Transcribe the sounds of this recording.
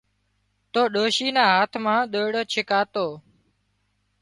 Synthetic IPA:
t̪oːɗoːʃiːnaːɦaːt̪ʰmãːɗ̪oːɽt͡ʃʰɪkaːt̪oː

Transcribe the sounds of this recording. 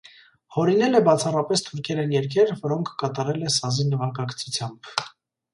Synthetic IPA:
hɔɾinɛlɛbɑt͡sʰɑrɑpɛst̪ʰuɾkʰɛɾɛnjɛɾkʰɛɾvɔɾɔŋkʰːɑt̪ɑɾɛlɛsɑzinəvɑkɑkt͡sʰut͡sʰjɑmb

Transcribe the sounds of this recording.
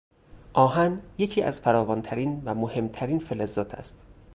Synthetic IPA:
ʔɒːɦænje̞cʰiːʔæ̰zfæɾɒːvɒːnt̪ʰæɾiːnvæmohe̞mt̪ʰæɾiːnfelezɒːt̪ʰæ̰st̪

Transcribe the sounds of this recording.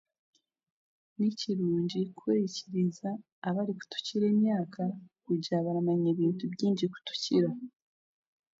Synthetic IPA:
niciɾuːɲɟikwe̞ːjiciɾizaː | βaɾiku̥tu̥ciɾe̞ːmjaːkʰakuɟaβaɾamaɲeːβiːntubjiːɲɟiku̥tu̥ciɾa

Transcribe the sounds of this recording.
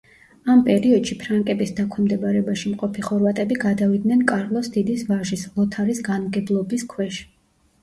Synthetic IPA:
ampʼɛɾiɔd̪̥ʃipʰɾaŋkʼɛbisd̪akʰwɛmd̪ɛbaɾɛbaʃimqʼɔpʰiχɔɾvat̪ʼɛbiɡad̪avid̪nɛnkʼaɾlˠɔsd̪̥id̪isvaʒislˠɔt̪ʰaɾisɡanmɡɛblˠɔbiskʰwɛʃ

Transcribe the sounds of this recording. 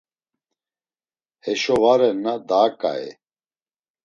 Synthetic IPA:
hɛʃɔvaɾɛnːad̪aːkʼa̰ɛ̰

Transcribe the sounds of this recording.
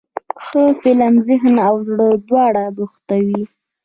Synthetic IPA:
xəfɪlamzɪɦnawzɽəd̪wɑɽabuxt̪awi

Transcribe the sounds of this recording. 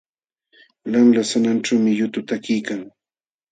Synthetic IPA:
laŋlasananʈ͡ʂawmɪjʊt̪ʊt̪akɪjkaŋ

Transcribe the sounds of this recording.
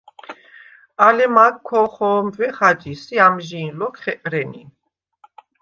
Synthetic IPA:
alɛmakʰːɔχɔːmvɛχad͡ʒisiamʒiːnlɔkʰχɛkʼɾɛni

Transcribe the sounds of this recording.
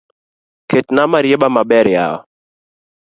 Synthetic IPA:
ketnamaɾjebamabɛɾja̰ɔ̰

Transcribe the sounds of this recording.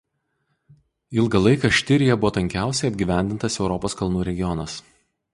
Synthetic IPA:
ɪlˠɡɐlˠɐɪkɐʃʲt̪ʲɪɾʲɪjɛbʊʋoːt̪ɐŋʲkʲæˑʊsʲɛɪɐbʲɡʲiːʋʲæˑnʲd̪ʲɪnt̪ɐsɛʊɾɔpoːskɐlˠnuːɾʲɛɡʲɪjɔnɐs

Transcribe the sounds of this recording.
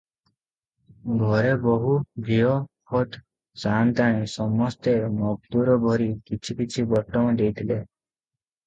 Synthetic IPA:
ɡʱɔɾebɔɦubʱijɔpʰɔt̪ | sant̪aɽ̃ĩsɔmɔst̪emɔɡ̚t̪uɾɔbʱɔɾikit͡ʃʰikit͡ʃʰibɔʈːɔmɔd̪ejt̪ʰile

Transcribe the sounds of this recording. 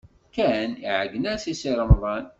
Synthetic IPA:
kæniʕəɡənæsisiɾˤəmðˤɑn

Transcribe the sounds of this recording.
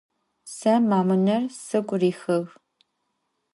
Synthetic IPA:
sɐmaːmɨnɐrsɨɡʷʼriːxɨɣ

